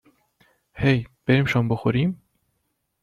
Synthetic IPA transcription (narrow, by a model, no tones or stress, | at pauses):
hejb̥eɾiːmʃɒːmboxoɾim